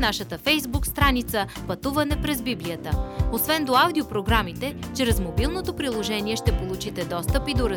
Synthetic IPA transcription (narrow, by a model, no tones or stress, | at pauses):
naʃət̪əfɛjzbukst̪ɾanit̪səpɐt̪uvɐnɛpɾɛzbibliət̪əosvɛnd̪oawd̪iopɾoɡɾamit̪ɛt͡ʃɾɛzmobilˠnot̪opɾilˠoʒɛniɛʃt̪ɛpolˠut͡ʃit̪ɛd̪ɔst̪əpid̪oɾɐ